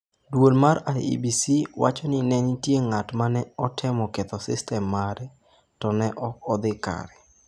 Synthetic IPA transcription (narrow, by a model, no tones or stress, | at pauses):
dwolmaɾajḭbisiwa̰t͡ʃɔnɪnɛnitjeŋatmanɛɔtʰɪmɔkɛt̪ɔsɪ̰stɛmːaɾɛ | tɔnɛʔɔɔd̪ɪka̰ɾɛ